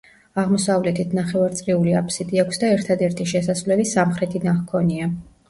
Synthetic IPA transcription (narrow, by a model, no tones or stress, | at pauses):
aʁmɔsavlɛt̪ʰit̪ʰnaχɛvaɾt̪sʼɾiuliapʰsid̪ʼiɛkʰʷsd̪aɛɾt̪ʰad̪ɛɾt̪ʰiʃɛsasvlɛlisamχɾɛt̪ʰinaχkʰɔnia